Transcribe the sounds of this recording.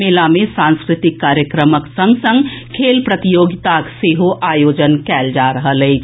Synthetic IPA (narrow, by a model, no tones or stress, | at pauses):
eːlamẽsãːnskɾɪt̪ɪkːaːɾjəkɾəməksə̃ŋɡsə̃ŋɡkʰeːlpɾət̪ɪjoːɡɪt̪akseːɦoʔaːjoːd͡ʒənkɛːld͡ʒaːɾɐɦəlɛː